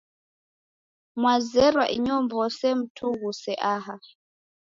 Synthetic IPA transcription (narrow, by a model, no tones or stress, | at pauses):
mwazɛɾwaʔiɲɔmbɔsɛm̩tʰuɣusɛʔaɦa